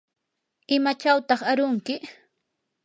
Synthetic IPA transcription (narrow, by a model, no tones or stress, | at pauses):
ɪmat͡ʃawt̪ɑχaɾʊŋkɪ